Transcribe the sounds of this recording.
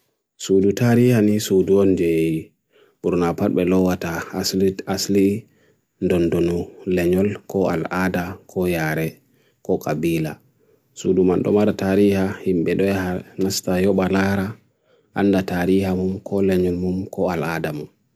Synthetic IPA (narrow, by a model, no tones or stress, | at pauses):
sudutaɾihanisuduɔnd͡ʒejji | b̥uɾnapat̚bɛlɔwatasasli | ndɔndonulɛɲɔlkʰɔa̰ladakʰɔjaːɾɛ | kɔkʼabiːla̰ | suːdumanɗɔ̰maɾataɾihahimɓɛɗɔjahanastajɔɓalaɾa | ʔa̰ndataɾihamumkʰɔlɛɲɔlmumkʰɔaladamum